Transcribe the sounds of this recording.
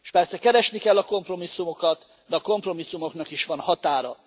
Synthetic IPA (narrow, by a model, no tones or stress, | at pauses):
ʃpɛrsɛkɛɾɛʃnikɛlːɒko̞mpro̞misːumo̞kɒt̪ | d̪ɛɒko̞mpro̞misːumo̞knɒkiʃʋɒnhɒt̪aːɾɒ̰